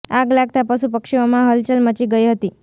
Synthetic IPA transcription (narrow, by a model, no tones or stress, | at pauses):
aɡlaɡ̚t̪apəsupəkʂiomãɦəlt͡ɕəlmət͡ɕiːɡəjɦət̪iː